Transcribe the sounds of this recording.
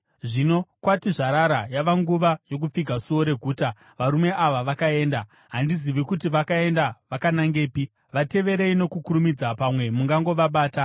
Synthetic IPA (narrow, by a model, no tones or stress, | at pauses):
ʐino̞kwatiʐaɾaɾajaʋaŋɡuʋajo̞k̬up͡fiɡʱasuo̞ɾe̞ɡʱuːta | ʋaɾume̞ʔaʋaʋakae̞ːnda | ɦandiziʋikutiʋakae̞ndaʋakanaŋɡe̞ːpi | ʋate̞ʋe̞ɾeino̞kukuɾumid͡zapamwe̞muŋɡaŋɡo̞ʋaɓaːta